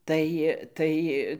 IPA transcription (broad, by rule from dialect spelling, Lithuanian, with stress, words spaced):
ˈtɐɪ ˈtɐɪ